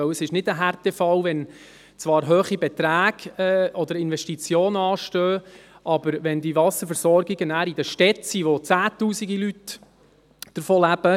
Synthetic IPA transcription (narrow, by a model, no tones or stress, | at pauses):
œwəsɪʃnɪdəɦært̪ɛfɑwʋɛn | t͡svɑːɾɦøːχibɛt̪ɾæːɡ̥ɛɔd̪əɾɪnvɛʃtit͡sjoːnɑːʃtøː | ʔɑb̥əɾʋɛnd̪ivɑsəɾfəɾsɔɾɡiɡənæːɾid̪əʃtɛtsiʋot͡sæːt̪uːsiɡilyt̪ | d̥əɾfoːlæb̥ə